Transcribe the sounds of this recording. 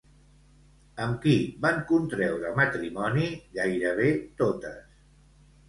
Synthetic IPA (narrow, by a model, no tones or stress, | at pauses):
əmkiβaŋkunt̪ɾɛwɾəmət̪ɾimɔniɣajɾəβ̞et̪ot̪əs